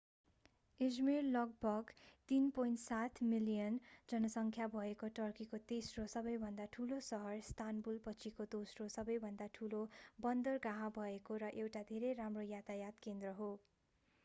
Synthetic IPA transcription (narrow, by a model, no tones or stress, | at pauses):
id͡zmerlʌɡ̚bʱʌɡt̪inpojnʈsat̪ʰmilijʌnd͡zʌnʌsʌŋkʰjabʱʌekoʈʌrkikot̪esrosʌbʌjbʱʌnd̪aʈʰulosʌɦʌrst̪ʰanbulpʌt͡sʰikod̪osrosʌbʌjbʱʌnd̪aʈʰulobʌnd̪ʌrɡãɦãbʱʌekoɾʌʔewʈad̪ʱeɾejɾamrojat̪ajat̪kend̪rʌɦo